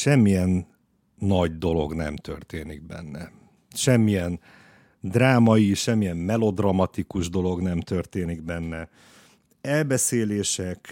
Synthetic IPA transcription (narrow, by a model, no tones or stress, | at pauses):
ʃɛmːijɛnː | ɒɟd̪o̞lo̞̰ɡnɛ̰mt̪ø̰rt̪eːniɡ̚bɛ̰nːɛ | ʃɛmːijɛn | d̪raːmɒjiʃɛmːijɛmːɛlo̞d̪rɒmɒt̪ikuʒd̪o̞lo̞ɡnɛmt̪ø̞rt̪eːniɡbɛnːɛ | ɛlbɛseːleːʃɛk